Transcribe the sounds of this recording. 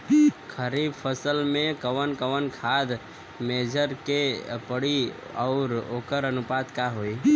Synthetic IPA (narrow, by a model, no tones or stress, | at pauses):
kʰəɾibpʰəsəlmẽkəwənkəwənkʰad̪ | med͡ʒʱəɾkepəɽi | ɔ̰ʊɾokəɾənupad̪kaɦoi